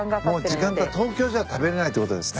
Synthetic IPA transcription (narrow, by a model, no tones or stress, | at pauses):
mo̞ːd͡ʑikãŋɡat̪o̞ːkʲo̞ːʑaβat̪abe̞ɾe̞nait̪ːeko̞t̪od̪e̞sɨ̥ne